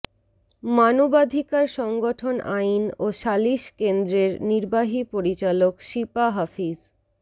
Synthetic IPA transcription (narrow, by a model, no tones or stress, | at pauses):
manobad̪ʱikaɾʃɔŋɡoʈʰonainoʃaliʃkend̪ɾeɾniɾbaɦipoɾit͡ɕalokʃipaɦafid͡ʑ